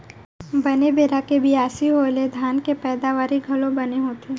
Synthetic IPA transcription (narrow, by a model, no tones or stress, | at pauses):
bɐnebeːɾakebʱiaːsiɦoːled̪ʱjaːnkepɛːd̪aːʋaːɾiɡʱɐlõbɐneɦoːt̪eː